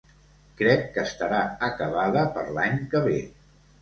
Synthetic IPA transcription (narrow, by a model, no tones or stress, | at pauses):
kɾɛkːəst̪əɾaəkəβ̞aðəpəɾlaɲkəβe